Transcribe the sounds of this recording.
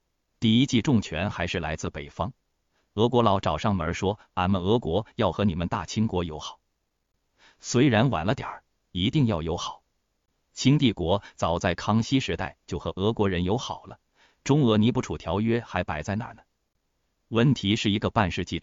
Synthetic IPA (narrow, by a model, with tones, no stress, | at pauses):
t̪i˥˩i˥t͡ɕi˥˧ʈ͡ʂʊ˥˩ŋt͡ɕʰɥɛ˧˥nxa˧˥ɪʂɻ̩˥˩la̰˧˥ɪt͡sɹ̩˥˩pe˨˩ɪfɑ˥ŋ | ɤ˧˥kwɔ˧˥lɑ˧˥ʊʈ͡ʂɑ˨˩ʊʂɑ˥˩ŋmə˞˧˥ʂwɔ˥ | a˥˩nmə˨˩ɤ˧˥kwɔ˧˥jɑ˥˩ʊxɤ˧˥ni˨˩mə˦nt̪a˥˩t͡ɕʰi˥ŋkwɔ˧˥jo˧˥ʊxɑ˨˩˦ʊ | swe˧˥ɪɻa˧˥nwa̰˨˩nlə˦t̪jɑ̰˨˩˦ | i˧˥t̪i˥˧ŋjɑ˥˩ʊjo˧˥ʊxɑ˨˩˦ʊ | t͡ɕʰi˥ŋt̪i˥˩kwɔ˧˥t͡sɑ˨˩ʊt͡sa˥˩ɪkʰɑ˥ŋɕi˥ʂɻ̩˧˥t̪a̰˥˩ɪt͡ɕjo˥˩ʊxɤ˧˥ʔɤ˧˥kwɔ˧˥ɻə˧˥njo˧˥ʊxɑ˨˩ʊlə˦ | ʈ͡ʂʊ˥ŋɤ˧˥ni˧˥pu˥˩ʈ͡ʂʰu˨˩t̪ʰjɑ˧˥ʊɥɛ˥xa˧˥ɪpa˨˩ɪt͡sa˥˧ɪna̰˥˩nə˩ | wə˥˩nt̪ʰi˧˥ʂɻ̩˥˩i˧˥ɡə˧pa˥˧nʂɻ̩˥˧t͡ɕi˥˩